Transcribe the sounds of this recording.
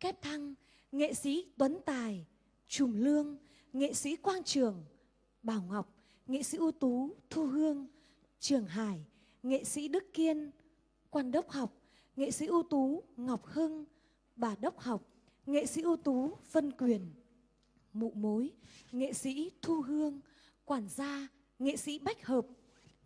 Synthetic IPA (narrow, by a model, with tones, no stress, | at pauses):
kɛ˦˥p̚t̪ʰa˧ŋ | ŋḛ˧˨sḭ˧˥t̪wə˨˦nt̪aː˨˩j | t͡ɕʊ˨˧˩ŋ͡mlɨ˧əŋ | ŋḛ˧˨sḭ˧˥kwaː˧nt͡ɕɨ˨˩əŋ | ɓaː˧˩wŋa˨˩wk͡p̚ | ŋḛ˧˨sḭ˧˥ʔu˧t̪u˨˦t̪ʰu˧ɦɨ˧əŋ | t͡ɕɨ˨˩əŋɦaː˧˩j | ŋḛ˧˨sḭ˧˥ɗɨ˦˥kːi˧ən | kwaː˧nɗə˦˥wk͡p̚ha˨˩wk͡p̚ | ŋḛ˧˨sḭ˧˥ʔu˧t̪u˨˦ŋa˨˩wk͡p̚hɨ˧ŋ | ɓaː˧˩ɗə˦˥wk͡p̚ha˨˩wk͡p̚ | ŋḛ˧˨sḭ˧˥ʔu˧t̪u˨˦və˧nkwi˨˧˩ən | mṵ˧˨mo˨˦jŋḛ˧˨sḭ˧˥t̪ʰu˧ɦɨ˧əŋ | kwaː˧˩nzaː˧ | ŋḛ˧˨sḭ˧˥ɓa˦˥jk̟̚həː˨˩p̚